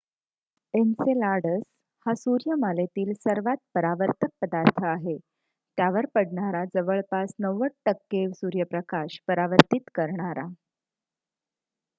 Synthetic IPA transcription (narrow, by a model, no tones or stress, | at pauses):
ent͡selaɽəs | hasuɾjəmalet̪iːlsəɾʋat̪̚pəɾaʋəɾt̪ʰək̚pəd̪aɾt̪ʰəaɦe | t̪jaʋəɾpəɽɳaɾad͡zəʋəɭpasnəʋəʈ̚ʈəkːeʋsuɾjəpɾəkaɕpəɾaʋəɾt̪it̪kəɾɳaɾa